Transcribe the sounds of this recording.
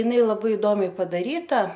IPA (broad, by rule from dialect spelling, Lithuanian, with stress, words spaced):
jɪˈnɐɪ lˠɐˈbɐɪ ɪˈdoːmʲɛɪ pɐdɐˈrʲiːtɐ